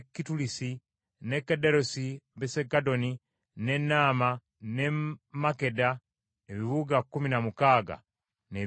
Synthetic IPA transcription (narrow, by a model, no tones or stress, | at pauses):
kːitulisi | nekːedeɾosibesekadoni | nenama | nemakeda | eβiβuɡakuminamukaɡa̰ | ne